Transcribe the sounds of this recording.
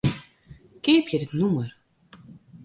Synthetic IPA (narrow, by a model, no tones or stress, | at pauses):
keːpjədɪtnumər